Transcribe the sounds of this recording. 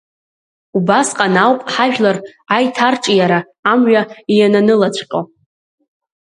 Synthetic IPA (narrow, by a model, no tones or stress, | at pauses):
ubasqʼanawpʼħaʒᶣlarajtʰarʈ͡ʂʼijaɾaː | mɥᶣaijananɨlat͡ɕʷʰqʲʼo